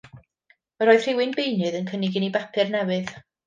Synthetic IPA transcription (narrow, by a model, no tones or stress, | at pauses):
məɾɔːɨð̥r̥ɪwɨnbejnɨðənkʰənɪɡɪnibapʰɨrnɛwɨð